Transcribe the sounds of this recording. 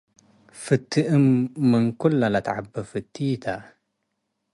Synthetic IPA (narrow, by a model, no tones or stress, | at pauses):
fɨt̪ːiʔəmːəŋkʊlːalat̪ʕa̰bːafɨt̪ːiːt̪a